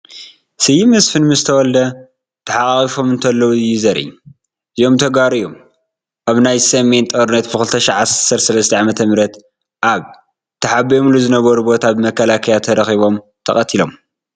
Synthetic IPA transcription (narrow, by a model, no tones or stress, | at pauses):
sɨjimɨsfɨnmɨzt̪ʰɐwɔld̪ɐ | t̪ʰɐħaʔʼaχʼifo̞mɨnt̪ʰɐlːɐwuɨjːɪzɐɾʔḭ | zijo̞mt̪ʰɐɡaɾɨjom | ʔaβnajsɐme̞nt̪ʼɐɾɨnɐt̪bɨkɨlt̪ʰɐʃiʕassɐɾsɐlɐst̪ʰɐʕamɐt̪ʰɐmɾɐt̪ | ʔaβ | t̪ʰɐħabɐjomluzɨnɐβɐɾubo̞t̪ʰabmɐkʰːɐlakʰɐjat̪ʰɐɾɐxiβo̞m | t̪ʰɐxʼɐt̪ʰilo̞m